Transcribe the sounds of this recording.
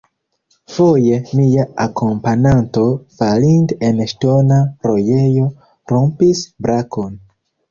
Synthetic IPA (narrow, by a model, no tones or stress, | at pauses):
fo̞je̞miaakʰo̞mpananto̞falinte̞nʃto̞naɾo̞je̞jo̞ | ɾo̞mpisbɾakʰo̞n